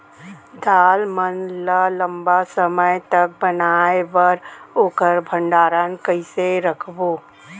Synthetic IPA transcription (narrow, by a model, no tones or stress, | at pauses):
d̪ʱaːlmənlələ̃mbasəməjt̪ɐk̚bənaːeʋəɾoːkəɾbʱə̃ɳɖaːɾənkəiseɾəkʰboː